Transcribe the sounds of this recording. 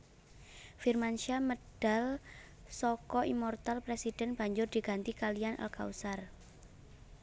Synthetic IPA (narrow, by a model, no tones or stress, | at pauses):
firmanʃaməɖ̥a̤l | sɔkɔʔimɔrt̪alpɾesid̥ɛ̤nb̥a̤ɲd͡ʒʊrd̪̥i̤ɡ̥a̤nt̪ikalijanʔa̰lka̰usar